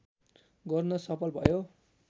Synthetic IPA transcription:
ɡʌrnʌsʌpʌlbʱʌjo

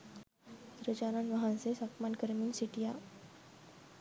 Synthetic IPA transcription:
d̪ɾəd͡ʒananʋəɦansesakmankəɾminsiʈija

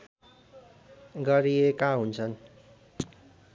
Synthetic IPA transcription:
ɡʌɾiekaɦunt͡sʰʌn

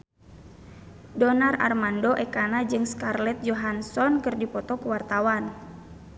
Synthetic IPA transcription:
dɔnara̰rmandɔʔɛkanad͡ʒɨŋskarlɛt̪̚d͡ʒɔɦansɔnkɨrdipɔt̪ɔkuwart̪awan

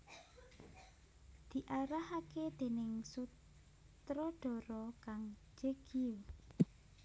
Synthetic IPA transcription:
d̪̥i̤ʔaɾahaked̪̥e̤nɪŋsu | t̪ɾɔɖ̪̥ɔ̤ɾɔkaŋ | d͡ʒ̥eɡ̥iw

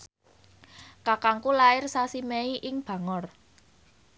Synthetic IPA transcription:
kakaŋkulaɪrsasimeiʔɪŋb̥ä̤ŋɔr

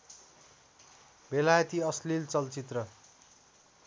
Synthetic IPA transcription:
belajʌt̪iʌslilt͡sʌlt͡sit̪rʌ

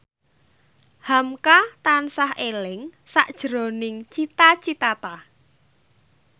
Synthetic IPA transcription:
hamkat̪ansahelɪŋsaʔd̥ʒ̥ə̤ɾo̤nɪŋt͡ʃit̪at͡ʃit̪at̪a

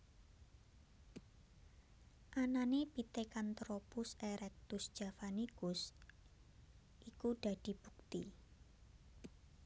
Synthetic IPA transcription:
ʔananepit̪ekant̪ɾopʊseɾɛk̚t̪ʊsd̥ʒ̥a̤fanikʊs | ʔikuɖ̥ä̤d̥i̤b̥ṳk̚t̪ḭ

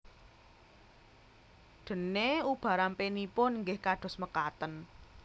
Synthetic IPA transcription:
ɖ̪̥ə̤neub̥ä̤ɾampenipʊnŋɡɪhkaɖ̥ɔ̤sməkat̪ən

